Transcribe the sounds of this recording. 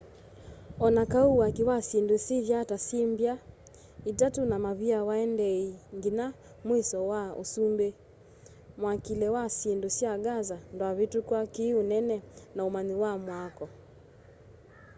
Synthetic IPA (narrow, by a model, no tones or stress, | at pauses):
ɔnakauwakiwasindusiðjatasimbja | itatunamaβiawaɛndɛiŋɡina | mwisɔwao̰sumbe | mwakilɛwasindusiaɡazandɔaβitukwakiunɛnɛnaumaniwamwakɔ